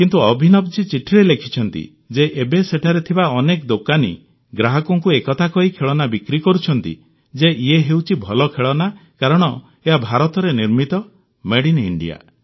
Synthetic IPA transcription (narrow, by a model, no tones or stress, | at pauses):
kint̪uɔbʱinɔb̚d͡ʒit͡ʃiʈʰiɾelekʰi̥t͡ʃʰɔnt̪ḭ | d͡ʒeʔebeseʈʰaɾet̪ʰibaɔnekɔd̪okanḭ | ɡɾaɦɔkɔŋkuekɔt̪ʰakɔɦikʰeɭɔnabikɾikɔɾut͡ʃʰɔnt̪ḭ | d͡ʒeʔieɦewt͡ʃʰibʱɔlɔkʰeɭɔnakaɾɔɽ̃ɔ | eɦabʱaɾɔt̪ɔɾeniɾmit̪ɔ | meɽinḭɳɖḭja̰